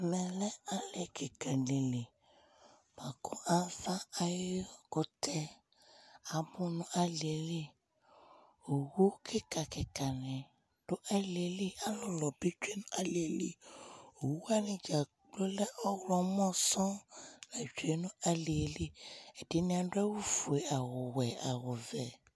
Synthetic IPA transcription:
nɛ̃˧lɛ˦a˦lɛ˨kʰɛ˨ka˨lẽ˨lẽ˨ | ma˨kʰu˦a˦fa˦a˧je˦ɔ˦˨ko˧tʰɛ˧ | a˧bũ˦nũ˧a˧le˨e˧˦le˦ | o˨wu˦kʰi˦ka˨kɛ˨ka˨nɛ̃˨ | ɖ̥o˦ʔa˦li˨e˨˦li˦a˨˦lɔ˨lɔ˨be˦d͡ʒu˦e˦nũ˦a˦le˨e˨li˦o˨wu˦a˦nĩ˨d͡ʒa˨ | ɡ͡blo˦lɛ˦ʔɔ˦wɾɔ˦mɔ̃˦sɔ̃˦lɛ˨d͡ʒo˨˦e˦nũ˦a˦le˨e˨li˦ɛ˨di˨˦nĩ˦ã˨˧dɛ˦wu˦fu˨e˨a˨wɔ˨wɛ˨a˨wɔ˨vɛ˨

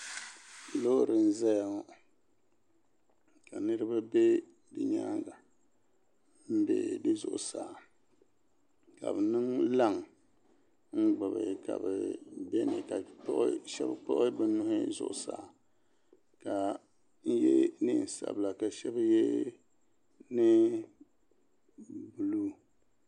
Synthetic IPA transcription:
lo˦ɾɨ˨n̩˦za˦ja˨ŋɔ˨ | ka˨nɨ˦ɾɨ˦ba˦be˦ | dɨ˨ɲa̰˦ɡa˨ | m̩˦bḛ˨dɨ˦zʊ̰˨ʔʊ̰˨saː˨ | ka̰˨bɨ˨nɨ˦ŋla˦˨ŋ | ŋ͡m̩˦ɡ͡bɨ˨bɨ̰˨ka̰˨bɛ̰˨bɛ˦nɨ̰˨ka˨pʔʃɛ̰˦bk͡pɔ̰˦ʔʊ˦bɨ˦nʊ˦hʊ˦zʊ̰˦ʔʊ˨sa̰ː˨ | ka˨ | n̩˦jɛ˦nɨ˦n̩˨sa̰˨bla˨ka˨ʃɛ˦ba˦jɛ˦ | nɨ˦ | bu˨lu˦

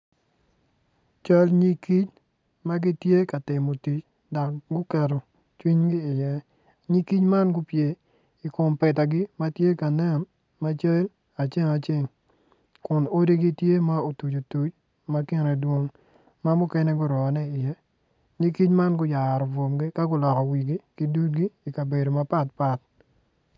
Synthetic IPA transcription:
t͡ʃa˦lɲi˦ki˦t͡ʃ | ma˦ɡɪ˦tje˦ka˨tɪ˨mo˨ti˨t͡ʃ | dɔ˨k̚ɡʊ˦kɛ˨ɾo˨ | t͡ʃwi˦ɲɡɪː˦˨jɛ˦ | ɲi˦ki˦t͡ʃma˦nɡʊ˦pje˨ | i˨ko˨mpɛ˨ta˨ɡɪ˦ma˦tje˦ka˨nɛ˦n | ma˦t͡ʃe˦l | a˨t͡ʃe˦ŋa˨t͡ʃe˦˨ŋ | kʊ˨no˦di˦ɡi˦tje˦ma˦o˨tu˨t͡ʃo˨tu˨t͡ʃ | ma˦kɪ˦ne˨dwo˦ŋ | ma˦mʊ˦kɛ˦nɛ˦ɡʊ˦ɾɔ˨nɛ˦ɪ˨jɛ˦ | ɲi˦ki˦t͡ʃma˦nɡʊ˦ja˨ɾɔ˨vo˨mɡi˦ka˦ɡʊ˦lɔ˨kɔ˨wi˨ɡi˦ki˦du˦t̚ɡiː˦˨ka˨be˨do˨ma˦pa˦tpa˦t̚

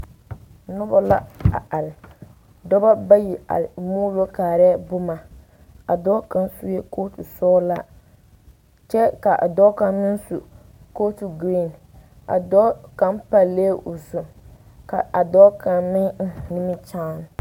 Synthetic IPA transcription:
nʊ˦ba˦la̰˦a̰˨a˨lɪ˨ | dɔ˦ba˦ba˦ji˨a̰˨lmuː˦lo˦kaː˨ɾɛ˦bʊ˦ma˨ | a̰˨dɔ˦ka˨nsu˦je˦ko˦tu˨sɔː˦la˦ | t͡ʃɛ˦ka˨ʔa̰˨dɔ˦ka˨mɪ˦n˦su˨ | ko˦tu˨ɡɾi˦˨n˨ | a̰˨dɔ˦ka˦mpa˨leː˦ʔʊ˨sʊ˨ | ka˨ʔa˨dɔ˦ka˨mɪ˦ŋ̩˦nɪ˦mɪ˦t͡ʃaː˦n˨

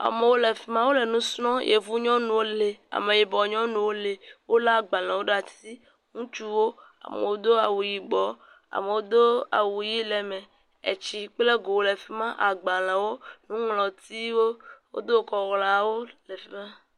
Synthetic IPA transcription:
a̰˨me˨wo˦le˨fi˦mã˦wo˦le˨nũ˦snɔ̃˦jʔḛ˨vu˦ɲɔ̃˦nũ˨wo˦le˨a̰˨mẽ˨je˨bɔ˨ɲɔ̃˦nũ˨wo˦le˨wo˦la˦˨ɡ͡ba˨l̃ɛ̃˨wo˦ɖa˨t̪i˦ | ŋũ˦t͡ʃu˦wo˦ | a̰˨mḛ̃˨wo˦d̪o˦a˨wu˨ji˨ɡ͡bɔ˨ | a̰˨me˨wo˦d̪o˦a̰˨wu˨ji˦le˨mɛ̃˨ | ḛ˨t͡ʃi˨k͡ple˦ɡo˨wo˨le˨fi˦mã˦ʔa˨ɡ͡ba˨l̃ɛ̃˨wo˦nũ˦ŋlɔ̃˨t̪i˦wo˦wo̰˦d̪o˦˨kɔ˨ɣlã˨wo˦le˨fi˦mã˦

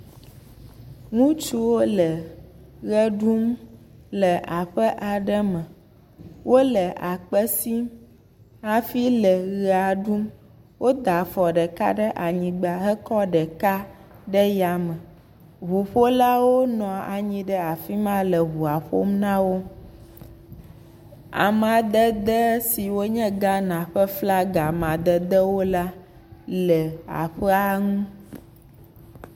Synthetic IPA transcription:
ŋũ˦t͡ʃu˦wo˦lə˨ɣə˦ɖu˦m | lə˨a˨ɸə˦ʔa˨ɖɛ˦mə̃˨ | wʔo˦lə˨ʔa˨k͡pə˦si˦m | a˦fi˦lə˨ɣɛ˨˦a˨ɖu˦m | wo˦d̪a˨fɔ˨ɖɛ˨ka̰˦ɖə˦ʔa˨ɲĩ˨ɡ͡ba˨ɦɛ˦kɔ˦ɖɛ˨ka˦ | ɖə˦ja˨mə̃˨ | ɦu˨ɸo˦la˦wo˦nɔ̃˨a̰˨ɲĩ˨ɖɛ˦a˨fi˦mã˦lɛ˨ɦu˨a˨ɸo̰˦mnã˦wo˦ | a̰˨mã˨d̪ə˦d̪ə˦si˨wo˦ɲɛ̃˦ɡa˦nã˨ɸɛ˦fla˦ɡa˨mã˨d̪ɛ˨d̪ə˦wo˦la˦ | lɛ˨a̰˨ɸɛ˦a˦ŋũ˦

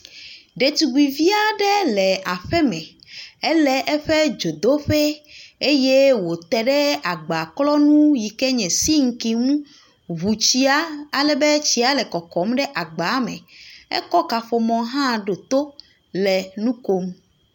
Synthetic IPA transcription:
ɖe˨t̪u˨ɡi˨vi˦a˦ɖɛ˦lɛ˨a˨ɸɛ˦mɛ̃˨ɛ˦lɛ˦ʔɛ˦ɸe˦d͡ʒo˨d̪o˦ɸe˦e˦je˦wo˨t̪ɛ˨ɖɛ˦a˨ɡ͡ba˨klɔ˦nũ˦ji˨kɛ˦ɲɛ̃˨si˦ŋ̩˦ki˨ŋũ˦ | βu˨t͡ɕi˦a˦a˨lɛ˨be˦t͡ɕi˦a˨lɛ˨kɔ˨kɔ˨˦mɖɛ˦ʔa˨ɡ͡ba˨˦mɛ̰̃˨ɛ̰˦kɔ˦ka˨ɸo˨mɔ̃˨ɦã˦ɖo˨t̪o˦ | lɛ˨nũ˦ko˦m

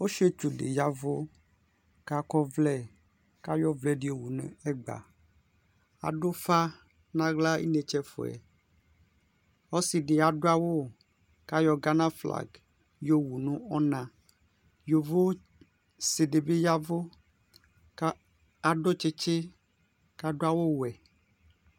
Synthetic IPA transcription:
wo˦ʃe˦t͡ʃu˨ɖḛ˨ja˦vo˦ | ka˦kɔ˦vlɛ˦ | ka˦jɔ˦vlɛ˨ɖi˦o˨wu˨nṵ̃˨ɛ˦ɡ͡ba̰˨ | a̰˨ɖo˦fa˦ | nã˦ɡla˦ḭ˦ne˨t͡ʃɛ˦fo̰˨ɛ̰˨ | ɔ˦si˨ɖe˨a˨ɖo˦a˦wo˦ | ka˦jɔ˦ɡa˦nã˦fla̰˨ɡ | jo˦wu˨nũ˦ɔ˦nã˨ | jo˨vo˦ | se˨ɖe˨be˦ja˦vo˦ | a˨ɖo˦t͡ʃe˦t͡ʃe˦ | ka˦ɖo˦a˨wo˦wɛ˨

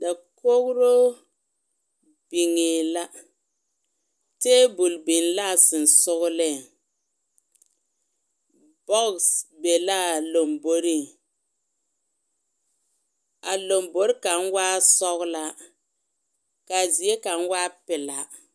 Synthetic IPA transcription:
da˨ko˦ɣʊ˦ɾo˦ | b̥i˨ŋɪ˨la˦ | te˦bu˨lbi˨ŋla˦˨sɪ˨n˨sʊ˦ɣʊ˦lɪ˦˨ŋ | b̥ɔ˦ɡsbe˨la˦˨lo˨mbo˨ɾi˦˨ŋ | a˨lo˨mbo˦ɾka˨n˦waː˦sɔ˦ɣla˦ | ka˨zi˨e˦ka˨n˦waː˦pɪ˨la˨

